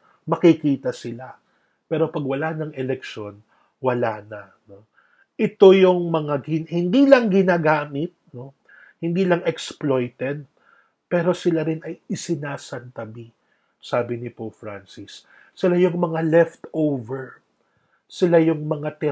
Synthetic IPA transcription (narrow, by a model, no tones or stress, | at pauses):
mɐkɪkiːt̪ɐsɪla | pɛːɾo̞pɐɡwɐlanɐŋɛlɛk̚ʃo̞n | wɐlaːnɐ | no̞ | ʔɪt̪o̞jʊŋmɐŋaɡɪnhɪnd̪iːlɐŋɡɪnaːɡaːmɪt̪̚no̞ | hɪnd̪iːlɐŋɛksplo̞jt̪ɛd̪̚ | pɛːɾo̞sɪlaɾɪnɐjɪsɪnaːsɐnt̪ɐbi | saːbɪnɪpofɾansɪsː | ɪlajʊŋmɐŋalɛft̪owvɛɹ | sɪlajʊŋmɐŋat̪ɛ